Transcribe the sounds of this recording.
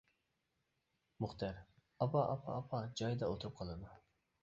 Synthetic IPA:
mʊχt̪ɑɾ | ɑpʰɑʔɑpʰɑ̰ːpʰɑd͡ʒɑjd̪ɑot̪ʰʊɾup̚qʰɑlˠɨd̪u

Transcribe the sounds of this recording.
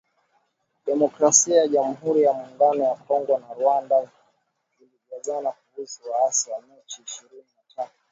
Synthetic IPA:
ɗɛmɔkɾasiajaʄam̩ɦuɾijamuːŋɡanɔjakʰɔŋɡɔnaɾwanda | iliɡazanakuuziwaasawamɛt͡ʃiːʃiɾininatʰatu

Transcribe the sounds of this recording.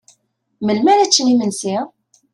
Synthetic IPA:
məlmænæt͡sːnimənsi

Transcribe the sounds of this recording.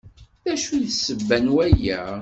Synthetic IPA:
θæʃuðsːəvːænwæjæ

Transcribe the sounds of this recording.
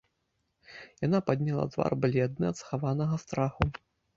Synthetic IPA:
janapad̪ʲnʲalˠa̰t̪va̰rbɨlʲɛd̪nɨɐt̪sxavanɐɣɐst̪ɾaxu

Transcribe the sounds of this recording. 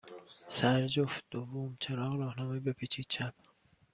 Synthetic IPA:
sæɾd͡ʒoft̪̚d̪̥ovːomt͡ʃʰeɾɒːɣɾɒːhnɒːmebepʰit͡ʃʰiːd̪̚t͡ʃʰæp̚

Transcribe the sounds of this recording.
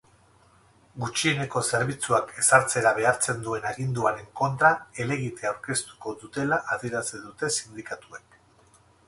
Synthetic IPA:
ɡut͡ʃiene̞ko̞se̞ɾβit͡suakʰe̞saɾt͡se̞ɾaβ̞e̞aɾt͡se̞nd̪ue̞naɣind̪uaɾe̞ŋko̞nt̪ɾae̞le̞ɣit̪e̞awɾke̞st̪u̥ko̞ðut̪e̞laʔaðieɾat͡seðut̪e̞sind̪ikat̪uek

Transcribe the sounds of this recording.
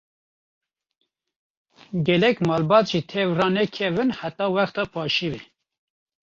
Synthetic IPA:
ɡɛlɛkmɑːlbɑːt̪ʒit̪ʰɛvrɑːnɛkʰɛvɨnħat̪ɑːwɛxt̪ɑpʰɑːʃivɛ

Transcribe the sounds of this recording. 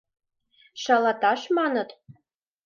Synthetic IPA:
ʃɑlɑt̪ɑʃmɑnɤ̆t̪

